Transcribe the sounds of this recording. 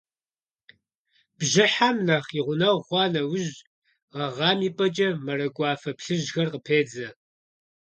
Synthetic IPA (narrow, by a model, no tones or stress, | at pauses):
b̥ʒɪħamnaːχiʁʷʊnɐwχʷɑːnɐwʊʒ | ʁɐʁɑːmiːpʼɐt͡ʃʼɐmɐɾɐɡʷʼɑːfɐpɬɨʒxɐrqəpʰeːd͡zɐ